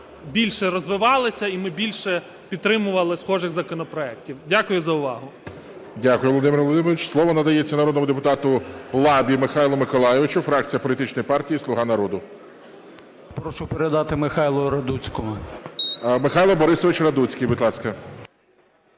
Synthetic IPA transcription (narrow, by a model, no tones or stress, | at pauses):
bʲilʲʃɛɾɔzʋɪʋɑlˠɪsʲɐimɪbʲilʲʃɛ | pʲit̪t̪ːɾɪmʊʋɐlˠɪsxɔʒɪxzɐkɔnɔpɾɔɛktʲiwdʲakʊjʊzɐʊʋɑɦʊ | dʲakʊjʊʋlˠɔd̪ɪmʲɪɾrʋɔlˠɔd̪ɪmʲɾʋit͡ʃslˠɔʋɔnɐd̪ɐjet͡sʲːɐnɐɾɔd̪nmʊd̪epʊt̪ɑt̪ʊlˠɑbʲimɪxɑjlˠɔmɪkɔlˠɑjeʋɪt͡ʃʊfɾɑk̚t͡sʲijɐpɔlʲit̪ɪt͡ʃnɔjpɑrtʲijislˠʊɦɑnɐɾɔd̪ʊ | pɾɔʃʊpeɾed̪ɑt̪ɪmɪxɑjlˠɔɾɐd̪ut͡sʲkɔɦʊ | mɪxɑjlˠɔbɔɾɪsɔʋɪt͡ʃrɐd̪ut͡sʲkɪjbʊd̪ʲlˠɑskɐ